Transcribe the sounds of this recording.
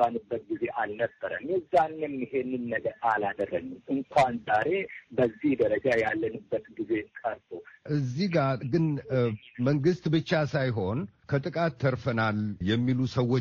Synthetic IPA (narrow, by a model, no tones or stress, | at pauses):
anɨbːət̪̚ɡize̞ʔalnəbːəɾə̰mjɛzːanːɨmjɪɦe̞nːɨnːəɡəɾalad̪ərːənːɨmʔɨŋkʷʰanzaɾe̞bəzːihd̪əɾəd͡ʒajalːənɨbːət̪ɡize̞kʼəɾt̪ʼoʔɨzːiɡaɡɨn | məŋɡɨst̪bɨt͡ʃːasajɦo̞nkʰət̪ʼɨkʼat̪ʰːəɾfənaljɛmːilusəwːo